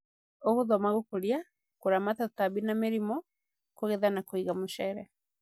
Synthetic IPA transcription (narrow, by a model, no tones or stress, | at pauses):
oɣoðɔmaɣokoɾja | koɾamatataβinameɾimɔ | koɣɛðanakoiɣamoʃɛɾɛ